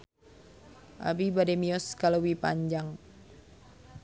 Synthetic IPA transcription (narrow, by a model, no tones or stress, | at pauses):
ʔa̰bibademiɔskalowipa̰ɲd͡ʒaŋ